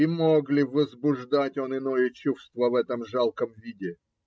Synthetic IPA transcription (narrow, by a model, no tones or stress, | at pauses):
imoɡlʲɪvəzbʊʐd̪atʲo̞nɪno̞jət͡ɕufst̪vəvɛt̪əmʐalˠkəmvʲidʲɪ